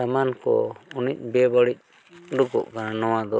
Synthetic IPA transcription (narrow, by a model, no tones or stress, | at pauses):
amankɔ̰unic̚ˀbɛbɔɽic̚ | ɖuɡɔ̰ʔkananɔwad̪ɔ